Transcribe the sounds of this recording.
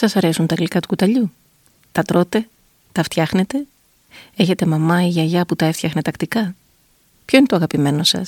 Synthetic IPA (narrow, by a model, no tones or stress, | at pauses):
sɐsɐɾe̞sunt̪ɐɣlikɐt̪u̥kut̪ɐʎu | t̪ɐt̪ɾo̞t̪e̞ | t̪ɐft̪çɐxne̞t̪e̞ | e̞çe̞t̪e̞mɐmɐiʝɐʝɐput̪ɐeft̪çɐxnet̪ɐkt̪ikɐ | pço̞inet̪oɣɐpime̞no̞sɐ̰s